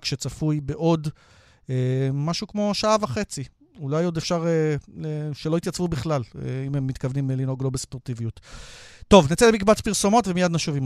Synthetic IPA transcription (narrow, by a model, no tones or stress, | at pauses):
kʃe̞t͡safujbeʔo̞d | emaʃukmo̞ʃaavaχe̞t͡si | ulajo̞d̪efʃaʁeleʃelo̞it̪jat͡svubiχlaleimemːit̪kavnimelino̞ɡlo̞bespo̞ʁt̪ivijutː | o̞vnit͡selemikbat͡spiʁso̞mo̞tvemijad̪naʃuvim